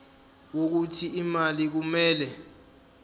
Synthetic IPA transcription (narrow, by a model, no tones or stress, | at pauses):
wok̬utʰiimalik̬umɛːlɛ